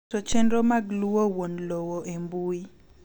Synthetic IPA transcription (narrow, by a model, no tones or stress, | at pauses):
sot͡ʃɛndɾomaɡluwowonlowoʔembui